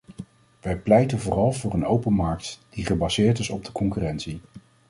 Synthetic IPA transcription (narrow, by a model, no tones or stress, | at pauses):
ʋɛjplɛjtənvʊːrɑlˠvʊːɹənowpənmɑɹk̚td̥iχəbɑzɪːɹtɪsɔb̚dəkɔŋkyrɛntsi